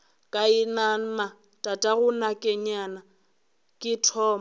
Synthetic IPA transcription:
kʼainan̩ma | tʼatʼaɣʊnakʼɛɲana | kʼɪtʰɔːma

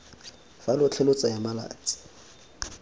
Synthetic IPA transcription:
falʊt͡ɬʰɛlʊt͡sʼajamala̰ːt͡sʼi̥

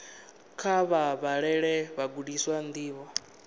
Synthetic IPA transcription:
kʰaβaβaɺɛɺɛβaɡuɗiswand̪iːβɔ

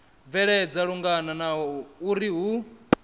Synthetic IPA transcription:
vɛɺɛd͡zaɺuŋɡananaɦɔɔuɾiɦu

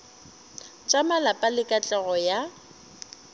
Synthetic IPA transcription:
t͡ʃʼamalapʼalɪkʼat͡ɬʼɛɣɔja

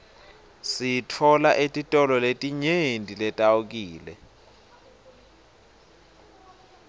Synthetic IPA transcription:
sitʰɔlaʔetʼitʼɔlɔletʼiɲendʱʼilɛtʼawuk̬iːlɛ̰

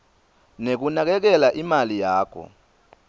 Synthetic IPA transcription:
nek̬unak̬ɛk̬ɛlaʔimalijaːkʰɔ̰

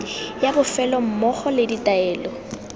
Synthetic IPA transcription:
jabʊfɛlɔm̩mɔχɔlɪditaɛːlɔ

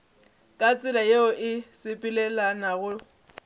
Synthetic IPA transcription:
kʼat͡sʼɪlajeʊʔɪsɪpʼilɛlanaɣʊ

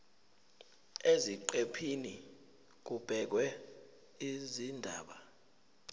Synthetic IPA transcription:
eziǃepʰini | k̬ub̥ʱɛk̬wɛ | izindʱa̰ːɓa

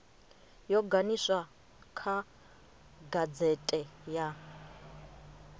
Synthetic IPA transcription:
jɔɡanisa | kʰa | ɡad͡zɛtʼɛja

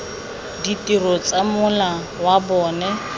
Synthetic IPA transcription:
ditʼirɔt͡sʼamʊla | wabɔːnɛ

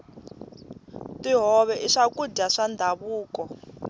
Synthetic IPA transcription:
tiɦɔβɛʔiʂakuɟaʂand̪ʱaβuːkɔ

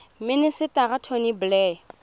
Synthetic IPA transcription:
mɪnɪsɪtaɣatʰɔniblɛ

